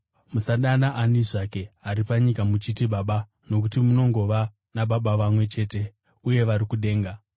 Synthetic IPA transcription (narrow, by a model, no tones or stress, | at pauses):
musaɗanaʔaniʐake̞aɾipaɲikamut͡ʃitiɓaɓa | no̞k̬utimuno̞ŋɡo̞ʋa | naɓaɓaʋamwe̞t͡ʃe̞ːte̞ | uje̞ʋaɾikuɗe̞ːŋɡa